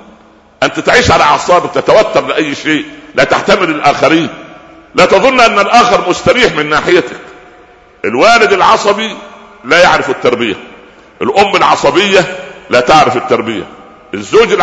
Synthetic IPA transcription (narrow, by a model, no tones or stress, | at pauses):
ʔænt̪æt̪ʕiːʃʕalæʕɑsˤɑːbɪk̚t̪æt̪æwæt̪ːɑɾˤlɪʔæjːʃeːʔlæːt̪a̰ħt̪æmɪlɪlʔæːxæɾiːn | læːt̪ɑðˤonːʔænːælʔæːxeɾmʊst̪æɾiːħmɪnːaːħɪjæt̪æ̥k | ʔelwæːlɪd̪ɪlʕɑsˤɑbi | læːjaʕɾɪfɪt̪ːɑɾˤbɪjæ̰ | ʔelʔomːælʕɑ̰sˤɑbɪjːælæːt̪aʕɾɪfɪt̪ːɑɾˤbɪjæ̰ | ʔezːoːd͡ʒɪl